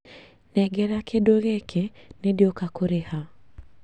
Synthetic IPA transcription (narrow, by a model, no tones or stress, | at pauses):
nɛɡɛɾakedoɣekʰenedjokakoɾeha